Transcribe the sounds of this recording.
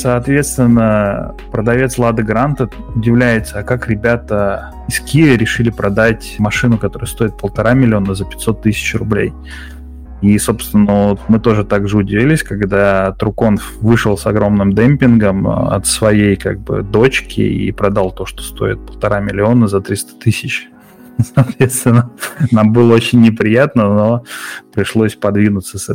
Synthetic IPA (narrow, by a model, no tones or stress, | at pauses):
sɐːt̪vʲe̞t̪st̪vʲɪnːə | pɾəd̪ɐvʲe̞t̪slˠad̪ɨɡɾant̪əʊdʲɪvlʲæjɪt̪səɐkakɾʲɪbʲat̪ə | ɪskʲiɾʲɪʂɨlʲɪpɾɐd̪atʲmɐʂɨnʊkɐt̪o̞ɾʊjʊst̪o̞ɪt̪̚pəlˠt̪ɐɾamʲɪlʲɪo̞nəzəpʲɪ̥t̪ʲso̞t̪ːɨsʲɪ̥t͡ɕrʊblʲḛj | iso̞pst̪vʲɪnːəvot̪mɨt̪o̞ʐɨt̪aɡʐɨʊdʲɪvʲilʲɪsʲkaɡd̪at̪ɾʊko̞nfvɨʂəlˠsɐɡɾo̞mnɨmd̪ɛmʲpʲɪnɡəmɐ̰t̪svɐjejka̰ɡ̚bɨ̰d̪o̞t͡ɕkʲɪ̰ḭpɾɐd̪alˠt̪o̞ʂt̪o̥st̪o̞̰ɪ̰t̪̚pəlˠt̪ɐɾamʲɪlʲɪo̞nəzɐt̪ɾʲist̪ə̥t̪ɨsʲɪt͡ɕ | sɐːt̪vʲet̪st̪vʲɪnənambɨlˠəot͡ɕɪnʲːɪpɾʲɪjat̪nəno̞pɾʲɪʂlˠo̞sʲpɐd̪vʲinʊt̪səsɛ